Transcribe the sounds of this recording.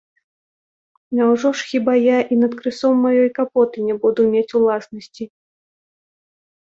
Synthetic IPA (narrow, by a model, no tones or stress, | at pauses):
nawʐɔʂxʲibajaʔinɐt̪kɾɨsɔmːajɔjkapɔt̪ɨnʲɛbud̪umʲet͡sʲulˠasnɐsʲt͡sʲi